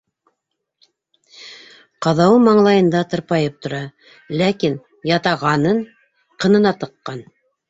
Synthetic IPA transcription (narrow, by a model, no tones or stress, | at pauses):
qɑðɑwɤmɑɴlˠɑjɤ̆nd̪ɑt̪ɤ̆ɾpɑjɤp̚t̪ŏɾɑ | lækin | jɑt̪ɑʁɑnɤɴ | qɤ̆nɤ̆nɑt̪ɤ̆qːɑn